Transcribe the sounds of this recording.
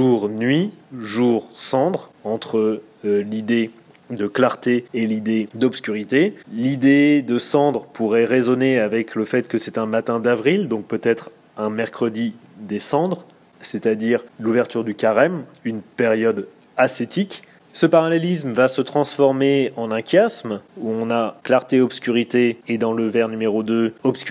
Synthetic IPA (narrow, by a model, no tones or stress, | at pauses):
ʒuʁnɥiʒuʁsɑ̃d̪ʁɑ̃t̪χə | lid̪e | d̪əklaʁt̪eelid̪ed̪ɔpskʲyʁit̪elid̪ed̪əsɑ̃d̪ʁəpʰuʁɛʁezɔneavɛkləfɛt̪kəsɛt̪ɛ̃mat̪ɛ̃d̪avʁild̪ɔ̃k̚pøt̪ɛt̪χ | ɛ̃mɛʁkχəd̪id̪esɑ̃d̪ʁ | set̪ad̪iʁluvɛʁt̪yʁd̪ykaʁɛmynpɛʁjɔd̪ | aset̪ik | səpaʁalɛlismvasət̪χɑ̃sfɔʁmeɑ̃nɛ̃kʲjasmuɔ̃naklaʁt̪eɔbskʲyʁit̪eːd̪ɑ̃ləvɛʁnymeʁod̪øɔbsk